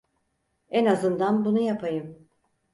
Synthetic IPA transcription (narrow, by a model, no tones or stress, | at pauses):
ɛnazɯnd̪anbunujapʰajɯm